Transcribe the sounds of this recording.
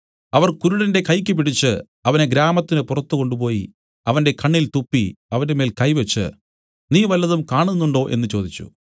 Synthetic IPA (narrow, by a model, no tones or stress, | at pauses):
ɐʋɐrkuɾuɽɐnde̞kɐjkʲːɨp̬iɽit͡ɕːɨ | ɐʋɐneɡɾaːmɐt̪ːinɨpurɐt̪ːuko̞ɳɖup̬o̞ːji | ɐʋɐnde̞kɐɳːilt̪upːiɐʋɐndeme̞ːlkɐjʋet͡ɕːɨ̰ | niːʋɐlːɐðumkaːɳunːuɳɖo̞ːʔe̞nːɨt͡ɕo̞ːd̪it͡ɕːṵ